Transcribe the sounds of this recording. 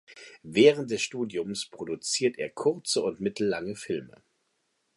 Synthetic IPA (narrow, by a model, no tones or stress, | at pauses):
vɛːʁənt̚d̥ɛsʃtuːdjʊmspʁ̥odut͡siːɐtʰʔeːɐkʰʊɐt͡səʊntmɪtl̩laŋəfɪlmə̰